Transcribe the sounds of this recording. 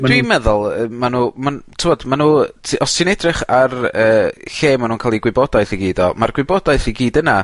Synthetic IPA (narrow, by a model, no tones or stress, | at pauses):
d̥wimɛðʊlˠəmanumantʰɪvɔdmanutʰɔsɨnɛdrɪχarəːɬeːmanuːnkʰalˠiɡwɪbɔdajθiɡiːdɔmarɡwɪbɔdajθiɡiːdəna